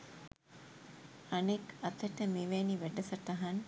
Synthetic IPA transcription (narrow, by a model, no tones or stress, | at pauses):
ɐnekɐt̪ɐʈəmeʋeniʋæɖɐsɐʈɐɦɐn